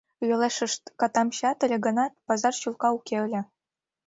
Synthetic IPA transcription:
jɤ̆leʃə̆ʂt̪kɑt̪ɑmɕɑt̪ĕlʲɘ̆ɡŏnɑt̪̚pɑzɑrɕulˠkɑukʲelʲɘ̆

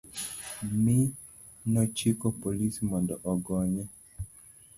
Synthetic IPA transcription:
mɪ | nɔt͡ʃikɔpolismɔndɔʔɔɡɔɲɛ

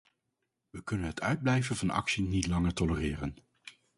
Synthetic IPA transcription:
ʋəkɵnənɦətœɥd̚blɛjvənvɑnɑ̰ksinitlɑŋəɹtɔlərɪːrən

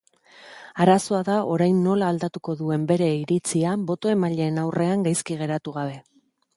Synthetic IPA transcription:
aɾaso̞aðaʔo̞ɾajnːo̞laːld̪at̪uko̞ðue̞mbe̞ɾe̞iɾit͡siambo̞t̪o̞e̞maʎe̞ːnawre̞aŋɡajskiɣ̞e̞ɾat̪uɣaβ̞e̞

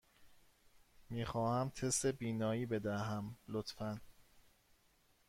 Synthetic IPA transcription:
miːxɒːhæmt̪ʰest̪ebiːnɒːiːbe̞d̪æɦæmlot̪fæn

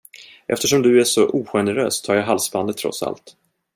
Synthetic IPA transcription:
ʔɛ̰ft̪əʂɔmd̪ɵæʂɔʔuːɧɛnəɾø̰ːst̪ʰːɑːɾjaɦalsband̪ət̪ʰːɾɔ̰t̪sa̰lt̪

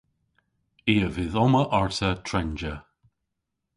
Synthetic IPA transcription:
iːəvɪðɔməʔɔɹtətʰɹɛnd͡ʒə

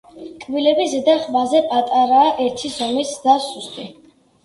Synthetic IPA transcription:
kʼbilɛbizɛd̪aχmazɛpʼat̪ʼaɾaːʔɛɾt̪ʰizɔmisd̪asust̪ʼi

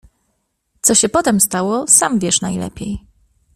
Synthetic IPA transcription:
t̪sɔɕɛpɔt̪ɛmst̪awɔsamvʲjɛʂnajlɛ̰pʲjej

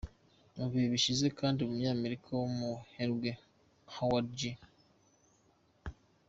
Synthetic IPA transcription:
muβiβiʃize̞kaːndiomuɲaːmeɾikʰawomuheɾwe | hawaɾd͡ʒi

